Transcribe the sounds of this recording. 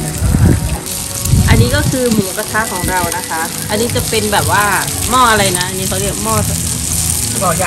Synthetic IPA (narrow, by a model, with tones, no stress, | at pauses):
a˧n | ʔa˧nːiː˦˥kɔː˥˩kʰɯː˧mɯ˨˩˦pa˧˥t̪ʰaː˦˥kʰɔː˩˦ŋɾa˧wna˦˥kʰa˦˥ʔ | ʔa˧nːiː˦˥t͡ɕa˨˩pe˧nbɛː˨˩p̚waː˥˩mɔː˥˩ʔa˧ɾa˧jna˦˥ʔa˧nːiː˦˥a˧˩wli˥˩ək̚mɔː˥˩sa˧˩˨ | bɔː˧˩jaː˨